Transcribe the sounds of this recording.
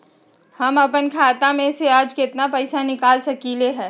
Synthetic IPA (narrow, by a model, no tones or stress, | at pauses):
həmɐpənkʰaːt̪amẽseaːd͡ʒket̪napəɪsanɪkaːlsɐkileɦɛː